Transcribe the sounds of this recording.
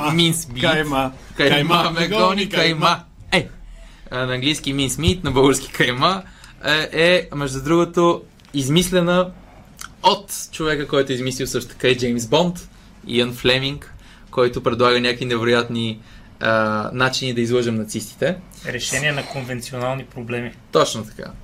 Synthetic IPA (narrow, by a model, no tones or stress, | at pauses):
minsmi | kɐmamɛɡɡɔnɐjma | ɛ | nɐːŋɡlijsk̟iminsmit̪nɐbɤlˠɡəɾskʲi̥kɐjma | ʔɛmɛʒd̪ud̪ɾuɡot̪o | izmislɛnə | ot̪t͡ʃovɛkəkɔjt̪ʊizmislʲiwˠsɤʃt̪o̥t̪ə̥kaid͡ʒɛjmsbɔnt̪ | ḭənflɛmiŋk | kːɔjt̪ʊpɾɛd̪lˠaɣənʲakəinɛvɛɾojat̪ni | ənat͡ʃinid̪ɐizlˠɤʒɛmnɐt̪sist̪i̥t̪ɛ | ɾɛʃɛniɛnɐkonvɛnt̪sionalˠnipɾoblɛmit̪ɔt͡ʃnot̪ɐ̥ka̰